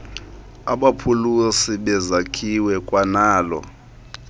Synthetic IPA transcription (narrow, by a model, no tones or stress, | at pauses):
aɓapʰulusiɓɛzakʰiwɛkʼwanaːlɔ̰